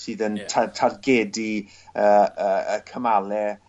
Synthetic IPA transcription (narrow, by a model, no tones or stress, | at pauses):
sɨːðəntʰatʰarɡɛdi | əːəːəkʰəmalɛ